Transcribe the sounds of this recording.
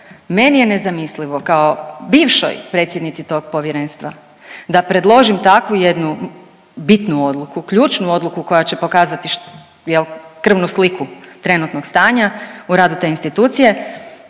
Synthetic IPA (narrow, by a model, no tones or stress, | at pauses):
me̞nije̞ne̞zamisliʋo̞kaobiːʋʃo̰jpɾe̞t̪sje̞d̪nit̪sit̪o̞ɡ̚po̞ʋjeɾe̞ːnst̪ʋa̰ | d̪apɾe̞d̪lˠo̞ʒimt̪akʋuje̞d̪nu | bit̪nuo̞d̪lˠukukʎuːt͡ʃnuo̞d̪lukuko̞jat͡ɕe̞po̞kaːzat̪iʃ | jelkr̩ʋnuslikut̪ɾe̞nut̪noɡ̥st̪aːɲauɾaːd̪ut̪e̞ːinst̪it̪uːt̪sije̞